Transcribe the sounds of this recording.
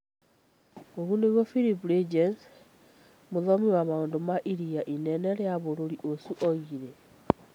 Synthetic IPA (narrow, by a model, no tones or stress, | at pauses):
oɾunewɔfiɾipɾed͡ʒɛns | moðɔmiwaβaondomaʔiɾiaʔinɛnɛɾɛaβoɾoɾiʔosuʔɔɣiɾɛ